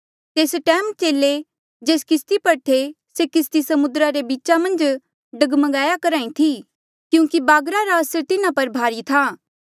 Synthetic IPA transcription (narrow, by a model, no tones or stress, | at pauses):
t̪eːsʈɛːmt͡ʃeːlːe | d͡ʒeːskɪst̪ipɐɽʈʰe | sekɪst̪isɐmʊd̪ɾaɾebiːtːt͡ʃamɐ̃nd͡ʒ | ɖɐɡmɐɡaːjakɐɾãːĩt̪ʰi | kjũːkibaːɡɾaɾaɐsəɾt̪ɪnãpɐɾbʱaːɾit̪ʰaː